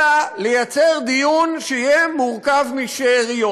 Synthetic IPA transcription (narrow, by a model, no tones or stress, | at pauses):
alejat͡seʁd̪ijunʃeijemuʁkavmiʃeʁijo